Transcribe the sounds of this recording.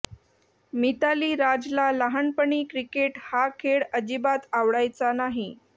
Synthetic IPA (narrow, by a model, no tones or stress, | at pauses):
mit̪aliːɾad͡zlalaɦaɳpəɳiːkɾikeʈhakʰeɽəd͡ʑibat̪aʋɽajt͡sanaɦi